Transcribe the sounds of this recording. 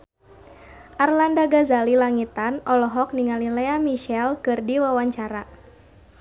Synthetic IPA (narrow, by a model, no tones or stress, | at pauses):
ʔarlandaɡazalilaŋit̪anʔɔlɔɦɔk̚niŋalilɛamiʃɛlkɨrdiwawaɲt͡ʃaɾa